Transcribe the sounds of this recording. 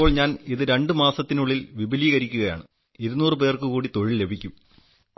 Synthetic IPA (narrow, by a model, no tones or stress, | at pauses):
oːɭɲaːniðɨɾe̞ɳɖɨmaːsɐt̪ːinuɭːilʋibʱiliːɣɐɾikʲːuɣɐja̰ːɳɨ | iɾunːuːrɨp̬e̞ːrkɨkuːɽit̪o̞ɻille̞bʱikʲːum